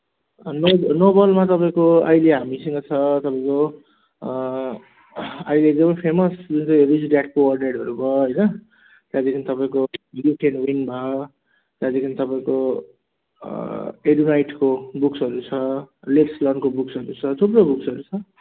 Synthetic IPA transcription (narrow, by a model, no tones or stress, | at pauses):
nonobʌlmat̪ʌpaĩkoʌ̰jleɦamisʌŋɡʌt͡sʰʌt̪ʌpãĩko | ʌjleeɡ̚d̪ʌmʌjpʰemʌsd͡zunt͡sʌjrid͡zɖjaʈ̚kowʌrneɽʌɾubʱʌɦʌjnʌ | t̪jad̪ikʰinit̪ʌpaĩkobʱiɽjoʈʰenwinbʱʌ | t̪jad̪ekʰinit̪ʌpaĩko | eɖunajʈkobuksɦʌɾut͡sʰʌlepslʌnkobuksɦʌɾut͡sʰʌt̪ʰuprobuksʌɾut͡sʰʌ